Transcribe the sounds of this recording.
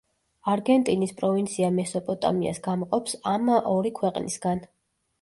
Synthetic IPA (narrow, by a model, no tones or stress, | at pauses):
aɾɡɛnt̪ʼinispʼɾɔvint̪sʰiamɛsɔpʼɔt̪ʼa̰mia̰sɡamqʼɔpsamɔɾikʰwɛqʼnḭsɡ̥an